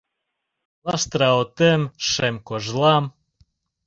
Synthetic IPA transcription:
lˠɑst̪ɾaot̪emʃemkoʒlˠɑm

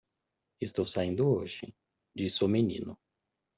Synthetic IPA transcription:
ist̪owsaĩnd̪ʊoʒɪ̰ | d͡ʒisomenḭ̃nʊ

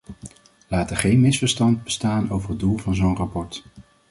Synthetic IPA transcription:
laːtəχejnmɪsfəɹstɑnd̚bəstaːnowvərɦədulˠvɑnzownrɑpɔɹt

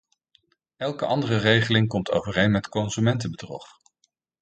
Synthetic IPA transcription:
ɛlˠkəʔɑndərərejχəlɪŋkɔmtʰo̰wvərejnmɛtkɔnzymɛntəbədrɔ̰χ

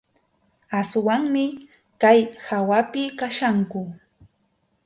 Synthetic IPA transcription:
aswaŋmɪ | kajhawapɪkaʃaŋkʊ

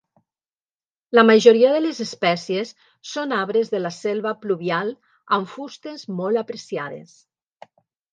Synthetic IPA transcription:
lamaʒoɾiaðəlezespɛsiesː | onaβɾezðəlaselˠβapluβialˠ | aɱfust̪ezmɔlˠapɾesiaðḛs

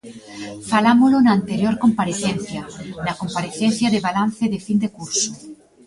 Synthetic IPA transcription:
falamolonaːnt̪eɾjoɾkompaɾeθenθjanakompaɾeθen̟θjaðeβalanθeðefind̪ekuɾso̥

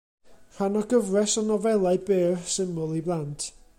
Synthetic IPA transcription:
r̥anɔɡəvrɛsɔnɔvɛlˠaɨbeːrsɪmʊlˠiblˠantʰ

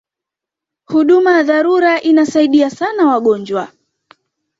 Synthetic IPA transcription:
huɗumajaðaɾuɾaʔinasaiɗiasanawaɠɔnd͡ʒwa

